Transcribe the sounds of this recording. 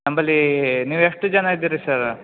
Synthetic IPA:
ɐmbɐlːiniːʋeʂʈɨd͡ʒɐnaid̪iɾisaɾ

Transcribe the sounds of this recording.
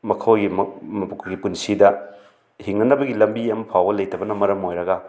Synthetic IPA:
mɐkʰɐwɡimmɐpkʰɡipunsidɐ | hiŋnɐnɐbɐɡilɐmbiɐmɐpʰawɡɐlɐjtʰɐbɐnɐmɐɾɐmojɾɐɡɐ

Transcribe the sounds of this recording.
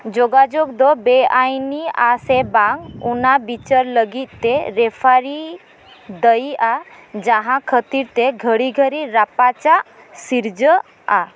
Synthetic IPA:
d͡ʒoɡad͡ʒoɡd̪ɔbeajnia̰sebãŋɡunabit͡ʃəɾləɡit̪̚t̪eɾepʰaɾi | d̪əjad͡ʒaɦãkʰət̪iɾt̪eɡʱəɽiɡʱəɾiɾapat͡ʃaʔ | siɾd͡ʒə | a

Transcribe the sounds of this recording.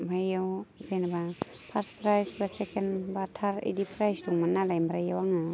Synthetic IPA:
bʱajawzenaba | pʰaɾspɾajsbasekenbatʰaɾḭdipʰɾajsduŋmanːalajmbɾajawaŋa

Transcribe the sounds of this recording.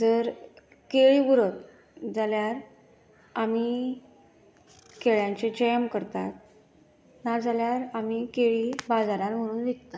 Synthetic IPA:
d͡zəɾ | keɭiɡuɾət̪ | d͡zaljaɾ | ami | keɭjaɲt͡ɕed͡ʑejmkəɾt̪at̪̚ | naɾd͡zaljaɾamikeɭiːbad͡zaɾãnm̤əɽ̃uːnʋek̚t̪a

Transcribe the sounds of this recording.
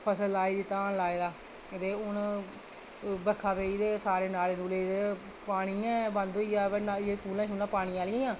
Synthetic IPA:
pʰəsəlaːiːd̪iːt̪aːnlaːeːd̪aː | ɪd̪eːʊn | bəɾkʰaːʋeːiːd̪eːsaːɾeːnaːleːnuːleːe | paːɽ̃iːɛ̃ːbãnd̪oːiːaːʋənaekuːlãːt͡ʃʊːlãːpaːɽ̃iːaːlɪãːãː

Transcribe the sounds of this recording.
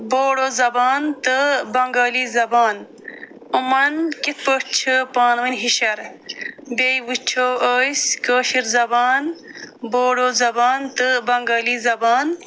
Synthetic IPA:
boːɽoːzɐbaːnt̪ɨbɐŋɡaːlizɐbaːn | umɐnkit̪̚pəʈt͡ʃʰɨpaːnwinʲɦiɕɐɾ | bejwut͡ʃʰowəːskəːʃiɾzɐbaːnboːɖozɐbaːnt̪ɨbɐŋɡɐːliːzɐbaːn

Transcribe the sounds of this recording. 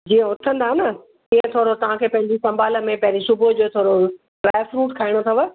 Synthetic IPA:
d͡ʑiːə̃ʊt̪ʰə̃nd̪aːɦenə | iːə̃t̪ʰoːɾot̪ɐʋ̤ãkʰeːpɐ̃ɦɪ̃ɲd͡ʑisɐ̃mbaːlə̆mẽpɐ̃ɦɪ̃ɲd͡ʑisʊbəd͡ʑoːt̪ʰoːɾo | ɾaːfɾuːʈkʰaːɪɽ̃ot̪ʰɐʋə

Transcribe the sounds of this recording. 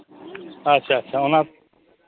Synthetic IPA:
ətːʃʰaːətːʃʰaːʊnãː

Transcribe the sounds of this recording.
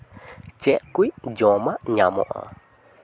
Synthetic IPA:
t͡ʃɛʔkʷid͡ʒɔ̃mãɲãmõ̰ʔã̰

